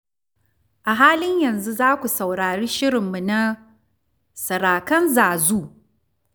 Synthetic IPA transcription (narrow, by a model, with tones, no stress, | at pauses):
ʔa˨ɦaː˦lɪ˦ɲjɐ˨nzu˦zaː˦kʷu˨sɐ˨wɽaː˨ɽiː˦ʃɪ˦ɾɪ˨mːu˨na˦ | sɐ˨ɾaː˨kɐ˦nzaː˨zuː˦